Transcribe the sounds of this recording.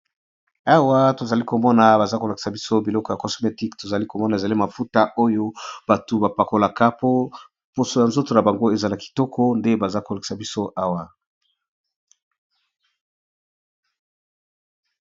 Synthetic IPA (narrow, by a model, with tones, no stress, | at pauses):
a˦wa˦to˨za˨li˦ko˨mɔ˦na˨ba˨za˦ko˨la˨ki̥˨sa˨bi˦so˦bi˨lɔ˦kɔ˨ja˨kɔ˨sme˨ti˦kto˨za˨li˦ko˨mɔ˦na˨e˨za˨li˦ma˨fu˦ta˦ʔo˦jo˦b̥a˨tu˨ba˨pa˨ko˨la˨ka˦po˦ | po˨so˨ja˨nzo˦to˨na˨ba˨ŋɡo˦e˨za˨la˨ki̥˨tɔ˦kʰɔ˦nde˦ba˨za˦ko˨la˨ki̥˨sa˨bi˦so˦ʔa˦wa˨